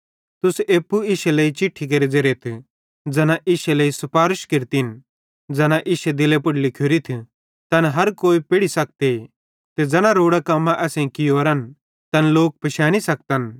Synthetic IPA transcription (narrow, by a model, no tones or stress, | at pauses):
t̪ʊseːpːuɪːʃeleit͡ʃɪʈʰːik̬ɐɾid͡zɐɾet̪ʰ | d͡zɐnãʔɪːʃeleːisɐpaːɾʊʃkɪɾt̪in | d͡zɐnaʔɪːʃed̪ɪlepʊɽlɪkʰjoɾit̪ʰ | t̪ɐnɦɐɾkoːipɪɽisɐk̚t̪e | t̪ed͡zɐnãɾoːɽakɐmːãʔɛːsẽĩkɪjoːɾɐn | t̪ɐnloːk̚pɐʃɛːɽ̃isɐk̚t̪ən